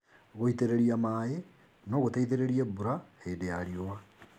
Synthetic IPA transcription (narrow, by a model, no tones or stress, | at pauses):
ɣoiteɾeɾiamaːe | nɔɣotaiðeɾeɾiɛbuɾaheːdejaɾiowa